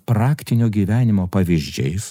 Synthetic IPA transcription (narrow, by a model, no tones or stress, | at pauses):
pɾɑːkʲt̪ʲɪnʲoːɡʲiːʋʲæːnʲɪmoːpɐʋʲiʒʲd͡ʒʲɛɪs